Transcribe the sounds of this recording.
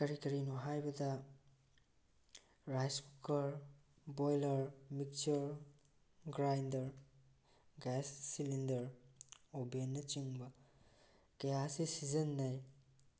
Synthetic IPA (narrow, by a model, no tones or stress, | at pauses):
kɐɾikɐɾinuɦajbɐdɐ | ɾajskukɐɾ | bojlɐɾmik̚t͡ʃɐɾ | ɡɾajndɐɾ | ɡɛsːilindɐɾobenːɐt͡ʃiŋbɐ | kɐjasisizɐnːɐj